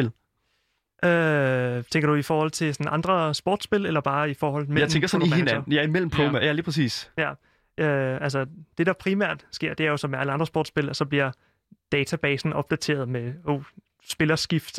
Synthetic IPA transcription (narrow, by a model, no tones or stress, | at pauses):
el | ʔø | t͡sʰeŋɡ̥ɐd̥uifɒːhɒ̽l̰t͡sʰe̝lsɒnʔɑ̈nd̥ʁɐsb̥ɒːd̥sb̥e̝lelɐb̥ɑ̈ːifɒːhɒ̽l̰t͡sʰmemʰeŋɡ̥ɐsɒnihennɐn̩jɑɐimel̰m̩pʰɔmæjæliːpʰʁɛs̬ḭːsjæ | øæls̬əd̥e̝d̥ɑ̈pʰʁimæ̰ɐ̰d̥sɡ̥e̝ɐ̰d̥e̝æɐjo̝sɒ̽mææləɑ̈nd̥ɐsb̥oːd̥sb̥e̝lɒ̽sɒ̽b̥liɐ | d̥ɛːt͡sʰæb̥ɛːsn̩ɒ̽b̥̚d̥æt͡sʰe̝̰ːɐðˠmejo̝ | sb̥e̝lɐsɡ̥ifd̥